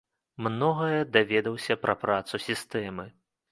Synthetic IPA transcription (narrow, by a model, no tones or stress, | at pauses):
mnɔɣɐjɛd̪avʲɛd̪ɐwsʲɐpɾʔɐpɾat̪susʲist̪ɛmɨ